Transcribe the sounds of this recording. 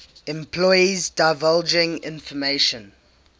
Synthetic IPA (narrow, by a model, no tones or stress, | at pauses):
ɛ̃mpʰlɔɪizdaɪvald͡ʒɪ̃ŋɪ̰̃nfɔmeʃə̃n